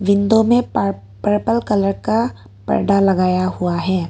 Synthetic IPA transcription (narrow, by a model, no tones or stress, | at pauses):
ʋɪ̃nd̪omẽ | pəɾpəlkɐləɾka | pɐ̰ɾɖalɐɡaːjaɦʊaɦɛː